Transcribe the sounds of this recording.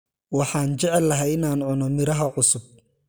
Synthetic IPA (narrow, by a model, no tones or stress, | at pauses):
wɑħɑːnt͡ʃɛʕɛlːɐɦɛɪnaːnʕʊnɔmɪɾɐɦɐʕʊsʊb̚